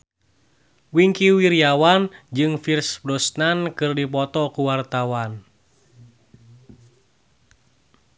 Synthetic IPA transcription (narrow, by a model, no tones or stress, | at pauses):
wiŋkiwiɾiawand͡ʒɨŋfirsbɾɔsnankɨrdipɔt̪ɔkuwart̪awan